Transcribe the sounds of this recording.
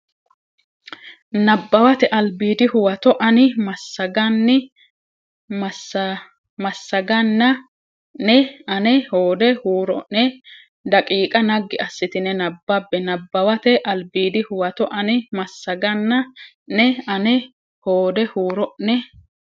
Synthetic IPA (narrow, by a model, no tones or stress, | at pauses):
nɐbːɐwɐt̪ɛʔɐlbiːd̪ɪhʊwɐt̪ɔʔɐnɪmɐsːɐɡɐnːɪ | mɐsɐ | mɐsːɐɡɐnːɐ | nɛɐnɛhoːd̪ɛhuːɾɔʔnɛ | d̪ɐkʼiːkʼɐnɐɡːɪɐsːɪt̪ɪnɛnɐbːɐbːɛnɐbːɐwɐt̪ɛʔɐlbiːd̪ɪhʊwɐt̪ɔʔɐnɪmɐsːɐɡɐnːɐ | nɛɐnɛ | hoːd̪ɛhuːɾɔʔnɛ